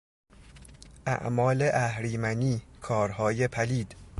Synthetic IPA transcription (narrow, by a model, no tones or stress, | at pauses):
ʔæ̰ʔmɒːle̞ʔæhɾiːmæniːkʰɒːɾhɒːje̞pʰæliːd̪̥